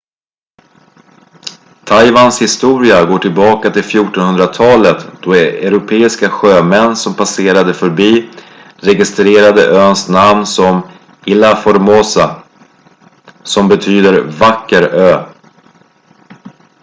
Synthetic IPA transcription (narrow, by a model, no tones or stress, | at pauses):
t̪ʰajvanshɪst̪uːɾɪaɡoːʈʰɪlbɑːkat̪ʰɪlfjuːʈɔnhɵnd̪ɾat̪ʰɑːlət̪d̪̥ɔɛɛɾʊpʰeːɪskaɧøːmɛnːsɔmpʰaseːɾad̪əfœɾbiː | ɾɛɡɪst̪ɾeːɾad̪ə̰ʔøːnsnamnsɔm | ɪlafɔɾmoːsa | sɔmbɛt̪ʰyːd̪əɾvakːəɾøː